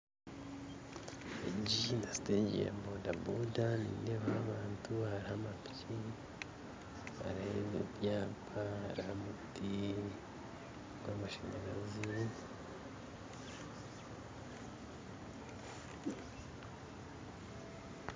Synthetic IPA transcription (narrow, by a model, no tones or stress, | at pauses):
eɟindasi̥teːɲɟḛjḛmboːndabudanḭːneβahaβaːntuhaɾihamapci | ha̰ɾahezebjaːpʰahaɾhamuti | ɡwamaʃeŋɡaɾazi